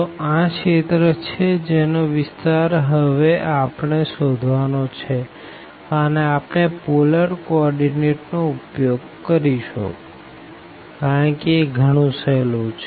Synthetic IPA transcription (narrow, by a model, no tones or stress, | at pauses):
t̪oãket̪ɾət͡ʃʰed͡ʒenoʋɪst̪aɾɦəʋeʔapɳesod̪ʱʋanot͡ʃʰe | əneapnepoləɾkoɔɾɖineʈnoupjoɡ | kəɾiʃo̰ | kaɾəɳkeːɡʱəɽ̃ũselũt͡ʃʰ